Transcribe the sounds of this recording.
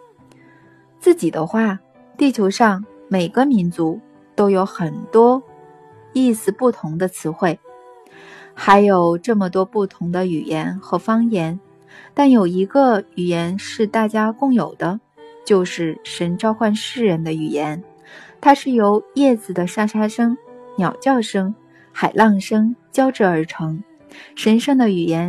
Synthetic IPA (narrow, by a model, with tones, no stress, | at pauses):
t͡sɹ̩˥˩t͡ɕi˨˩d̪ə˦xwa˥˩ | t̪i˥˩t͡ɕʰjo˧˥ʊʂɑ˥˩ŋ | me˨˩ɪɡə˦mi˧˥nt͡su˧˥ | t̪o˥ʊjo˧˥ʊxə˨˩nt̪wɔ˥ | i˥˩sɹ̩˥˧pu˥˩t̪ʰʊ˧˥ŋd̪ə˧t͡sʰɹ̩˧˥xwe˥˩ɪ | xa˧˥ɪjo˨˩ʊʈ͡ʂɤ˥˩mə˩t̪wɔ˥pu˥˩t̪ʰʊ˧˥ŋd̪ə˧y˨˩jɛ˧˥nxɤ˧˥fɑ˥ŋjɛ˧˥n | t̪a˥˩njo˨˩ʊi˧˥ɡə˧y˨˩jɛ˧˥nʂɻ̩˥˧t̪a˥˩t͡ɕja˥kʊ˥˩ŋjo˨˩ʊd̪ə˦ | t͡ɕjo˥˧ʊʂɻ̩˥˩ʂə˧˥nʈ͡ʂɑ˥ʊxwa˥˧nʂɻ̩˥˩ɻə˧˥nd̪ə˧y˨˩jɛ˧˥n | t̪ʰa˥ʂɻ̩˥˩jo˧˥ʊjɛ˥˩t͡sɹ̩˨˩d̪ə˩ʂa˥ʂa˥ʂɤ˥ŋnjɑ˨˩ʊt͡ɕjɑ˥˩ʊʂɤ˥ŋ | xa˨˩ɪlʔɑ˥˩ŋʂɤ˥ŋt͡ɕjɑ˥ʊʈ͡ʂɻ̩˥˩ə˞˧˥ʈ͡ʂʰɤ˧˥ŋ | ʂə˧˥nʂɤ˥ŋd̪ə˩y˨˩jɛ˧˥n